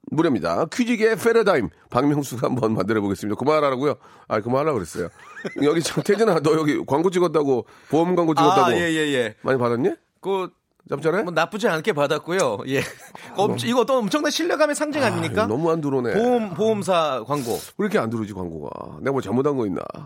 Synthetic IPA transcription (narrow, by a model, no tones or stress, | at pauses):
muɾjʌmɲida̰kʰid͡ʑiɡe̞fʰeɾɯdaim | paŋmjʌŋsʰuɡahambʌnma̰ndɯɾʌboɡesɯmɲidakɯmaaɾaɾaɡujo | a̰ikɯmaɾɦaɭːakɯɾes͈ʌ̰jo̰jʌɡit͡ɕʰamtʰed͡ʑinatʌjʌɡikwaŋɡot͡ɕ͈iɡʌt̚t͈aɡo | poumɡwaŋɡot͡ɕiɡʌtt͈aɡojeje̞je̞mʔa̰ɲipadaɲːi | kɯ | t͡ɕamt͡ɕ͈aɾemʌnap͈ud͡ʑiankʰepadak͈ujojekʌiɡʌt͈ʌʌmt͡ɕʰʌŋnanɕʰiʎːjʌɡamesʰaŋd͡ʑiŋaɲiɲik͈anʌmuanduɾonḛompoms̬ʰakwaŋɡo̰iɾʌkʰeanduɾʌd͡ʑikwa̰ŋɡoɡa̰neɡamwot͡ɕamodanŋɡʌinːda̰